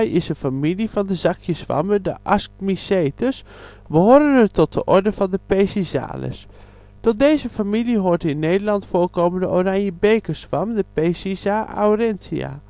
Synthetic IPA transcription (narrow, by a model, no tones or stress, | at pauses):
jɪsəfamilifɑndəzɑkʰjəsʋɑ̰mədə̰ʔaskmiseːtəs | bəɦoːɾənətɔt̚əʔɔɹdəvɑndəpejsiza̰ːlə̰s | tɔt̚deːzəfamiliɦoːɹtəɪnːeːdəɹlɑntfoːlkoːməndəoraŋjəbejkəsʋɑmdəpejsizaa̰wrɛntia̰